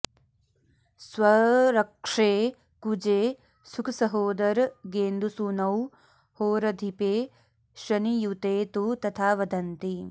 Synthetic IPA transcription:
swɐɾɐkʂeː | kud͡ʒeː | sukʰɐsɐɦoːd̪ɐɾɡeːnd̪ʱusunɐw | hoːɾɐd̪ʱipeː | ʃɾɐnijut̪eːt̪ut̪ɐt̪ʰaːʋɐd̪ɐnt̪i

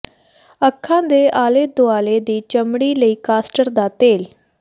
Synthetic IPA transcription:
əkʰːãːd̪eːʔaːleːd̪oaːleːd̪iːt͡ʃəmɽiːləiːkaːsʈəɾd̪aːt̪eːl

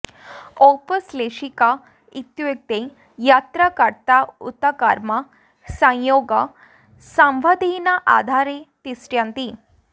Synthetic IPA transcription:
opəsleɕika | it̪jek̚t̪e | jat̪ɾakaɾt̪aut̪akaɾma | sə̃joɡa | sãmʋad̪inaʔa̰d̪ʱaɾet̪isʈjant̪i

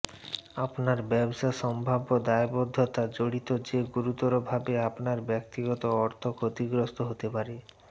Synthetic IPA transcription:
apnaɾbɛbʃaʃɔmbʱabod̪aebod̪ʱːot̪ad͡ʑoɽit̪od͡ʑeɡuɾut̪ɔɾobʱabeapnaɾbɛkt̪iɡɔt̪oɔɾt̪ʰokʰot̪iɡɾost̪oɦot̪epaɾe

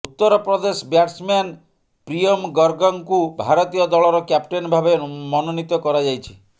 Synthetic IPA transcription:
ut̪ːɔɾɔpɾɔd̪esɔbjaʈsman | pɾiɔmɡɔɾɡɔŋkubʱaɾɔt̪ijɔd̪ɔɭɔɾɔkjap̚ʈenbʱabemɔnɔnit̪ɔkɔɾad͡ʒajt͡ʃʰi̥

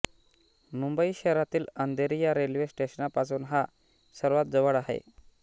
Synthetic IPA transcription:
mumbəiɕɛɾat̪iːlənd̪ʱeɾijaɾelʋesʈeɕənapasuːnɦa | səɾʋat̪̚d͡zəʋəɽaɦḛ

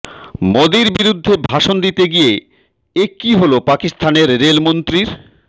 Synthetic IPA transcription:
mod̪iɾbiɾud̪ʱːebʱaʃond̪it̪eɡije | ekiɦolopakist̪ʰaneɾːelmont̪ɾiɾ

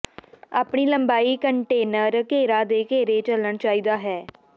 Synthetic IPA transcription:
aːpɳiːləmbaːiːkəɳʈeːnəɾkeːɾaːd̪eːkeːɾeːt͡ʃələɳt͡ʃaːiːd̪aːɦɛː

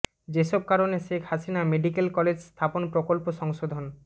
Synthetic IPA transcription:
d͡ʑeʃɔb̚kaɾoneʃekʰhasinameɖikelkɔled͡ʑst̪ʰaponpɾokolpoʃɔŋʃod̪ʱon

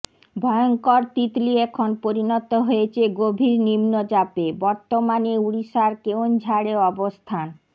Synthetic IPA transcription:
bʱɔeoŋkoɾt̪it̪liɛkʰonpoɾinot̪oɦojet͡ɕʰeɡobʱiɾnimnod͡ʑapebɔɾt̪omaneuɽiʃaɾkewnd͡ʑʱaɽeɔbost̪ʰan

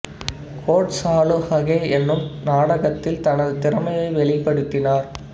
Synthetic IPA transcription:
kʰoːʈsaːɭɯhɐɣeːɛnːɯmnaːɽɐɣɐt̪ːɪlt̪ɐnɐðɯt̪ɪɾɐmɐjɐɪʋɛɭɪpːɐɽɯt̪ːɪnaːɾ

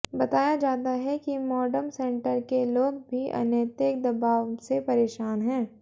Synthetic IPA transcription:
bɐt̪aːjad͡ʒaːt̪aɦɛkimɔːɖəɾmsɛ̃ːɳʈəɾkeloːɡbʱiʔɐ̰njət̪ək̚d̪ɐbaːʋsepɐɾeːʃaːnɦɛ̃ː

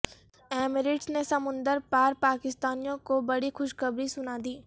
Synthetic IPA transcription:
ɛːmɪɾɪʈsnesɐmʊ̃nd̪əɾpaːɾpaːkɪst̪aːnijõkobɐɽixʊʃkɐbɾisʊnaːd̪iː

